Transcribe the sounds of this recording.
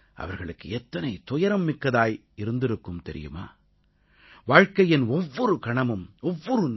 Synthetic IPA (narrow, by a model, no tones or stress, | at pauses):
ʔɐ̰ʋɐɾɣɐɭɯkːɯɛt̪ːɐnɐɪt̪ʊjɐɾɐmːɪkːɐðaːj | ɪɾɯnd̪ɪɾɯkːɯmt̪ɛɾɪ̰jɯ̰ma̰ː | ʋaːɻkɐjɪnɔʋːɔɾɯkɐɳɐmɯmɔʋːɔɾɯn